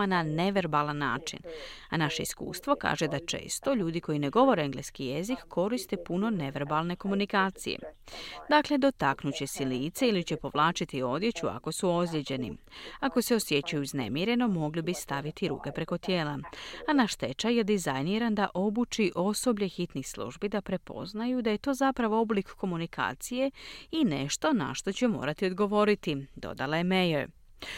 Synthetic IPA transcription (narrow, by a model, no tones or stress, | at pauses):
anane̞ʋe̞ɾbalˠanːa̰ːt͡ʃḭna̰naʃe̞ḭskṵːst̪ʋo̞ka̰ːʒe̞d̪at͡ʃḛːst̪o̞ʎuːd̪ikʰo̞jine̞ɡo̞ʋo̞ɾeeŋɡleskije̞zikːʰo̞ɾist̪e̞puno̞ne̞ʋe̞ɾbalˠne̞ko̞munikaːt̪sḭjḛd̪akle̞d̪o̞t̪aknut͡ɕe̞siliːt̪seilit͡ɕe̞po̞ʋlaːt͡ʃit̪io̞d̪je̞t͡ɕua̰ko̞suo̞zʎʲed͡ʑe̞nḭako̞se̞o̞sje̞t͡ɕajuizne̞̰mjeɾe̞no̞mo̞ɡlibist̪aʋit̪iɾṵːke̞pɾe̞ko̞t̪je̞ːlaanaʃt̪e̞t͡ʃajed̪izajniɾand̪aʔo̞but͡ʃiʔo̞so̞bʎe̞xit̪nixslˠṵːʒbid̪apɾe̞po̞̰znajud̪aje̞t̪o̞ːzapɾaʋo̞o̞blikko̞munikʰa̰ːt̪sije̞ineʃt̪o̞na̰ʃt̪o̞t͡ɕe̞mo̞̰ːɾat̪io̞d̪ɡo̞ʋo̞ɾit̪id̪o̞̰d̪alˠajeme̞jeɾ